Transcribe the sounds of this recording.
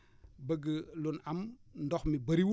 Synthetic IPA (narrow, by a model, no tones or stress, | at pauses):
bɐɡəlunamndɔxmibɐɾiwu